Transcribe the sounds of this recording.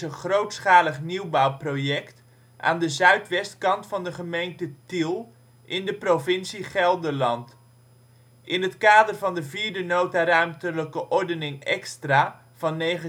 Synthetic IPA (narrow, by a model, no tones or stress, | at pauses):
ənχrowtsχaːləχniwbawprojɛkt | ʔa̰ːndəzœɥtʋɛstkɑntfɑndəχəmejntətilˠ | ʔɪndəprovɪnsiχɛlˠdəɹlɑnt | ʔɪnɦətkaːdərvɑndəviːɹdənowtarœɥmtələkəʔɔɹdənɪŋɛ̰kstraː | v̥ɑnːejχə